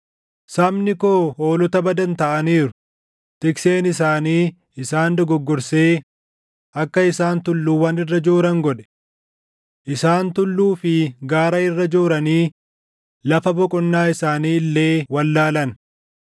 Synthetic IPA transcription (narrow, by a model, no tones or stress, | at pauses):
sɐmnɪkoːhoːlɔt̪ɐbɐd̪ɐnt̪ɐʔɐniːɾʊ̥ | t̪ɪkse̞ːnɪsaːniː | ɪsaːnd̪ɔɡɔɡːɔɾseː | ʔɐkːɐɪsaːnt̪ʊlːuːwɐnɪrːɐd͡ʒoːɾɐŋɡɔᶑɛ̥ | ʔɪsaːnt̪ʊlːuːfɪɡaːɾɐɪrːɐd͡ʒoːɾɐniː | lɐfɐbɔkʼɔnːaːɪsaːniːlːe̞ːwɐlːaːlɐn